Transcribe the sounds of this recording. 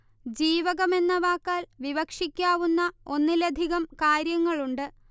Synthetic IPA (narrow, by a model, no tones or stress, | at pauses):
d͡ʑiːʋɐɣɐme̞nːɐʋaːkːaːlʋiʋɐkʂikʲːaːʋunːɐo̞nːilɐd̪ʱiɣɐmkaːɾjɐŋːɐɭuɳɖɨ